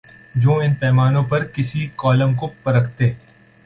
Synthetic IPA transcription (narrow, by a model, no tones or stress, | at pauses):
d͡ʒõːɪnpɛːmaːnõpɐɾkɪsikɔːləmkopɐɾəkʰt̪eː